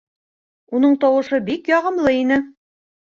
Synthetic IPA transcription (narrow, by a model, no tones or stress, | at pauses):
unɤɴt̪ɒwɤ̆ʃɤbikjɑʁɤ̆mlˠɤinɘ